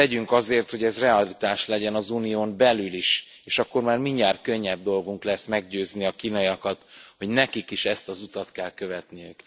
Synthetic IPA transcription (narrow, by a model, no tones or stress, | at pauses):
ɛɟyŋkɒzeːrt̪ho̞ɟɛzrɛɒlit̪aːʃlɛɟɛnɒzunijoːmbɛlyliʃ | eːʃɒkːo̞rmaːrmiɲːaːrkø̞ɲːɛb̚d̪o̞lɡuŋklɛsmɛɡɟøːzniɒkiːnɒjɒkɒt̪ho̞ɟnɛkikiʃɛst̪ɒzut̪ɒt̪kɛlkø̞vɛt̪nijøk